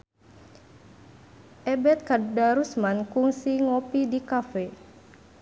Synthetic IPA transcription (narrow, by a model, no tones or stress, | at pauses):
ʔɛbɛt̪̚kadaɾusmankuŋsiŋopidikafɛ